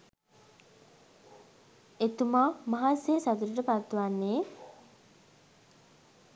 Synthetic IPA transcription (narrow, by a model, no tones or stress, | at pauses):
et̪umaːmaɦasesat̪uɾəʈəpat̪ːʋanːe